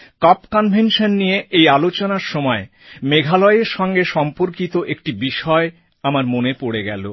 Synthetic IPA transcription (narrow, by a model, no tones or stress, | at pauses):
kɔpkɔnbʱenʃonːijeʔejalot͡ɕonaɾʃɔmɔe | meɡʱalɔeɾʃɔŋɡeʃɔmpoɾkit̪oʔekʈibiʃɔe | amaɾmonepoɽeɡɛ̰lo̰